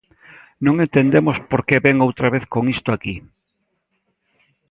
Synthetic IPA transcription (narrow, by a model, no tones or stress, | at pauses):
nõŋẽnt̪end̪emospoɾkeβeŋowt̪ɾaβeθkoŋist̪oaki